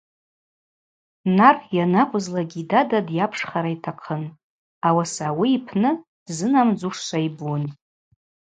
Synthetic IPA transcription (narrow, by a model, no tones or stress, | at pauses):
narjanakʷʼʊzlaɡʲidadadjapʰʂχaɾaitʰaqʰən | awasawiipʰnɨ̥ | zɨnamd͡zuʂʂʷaibun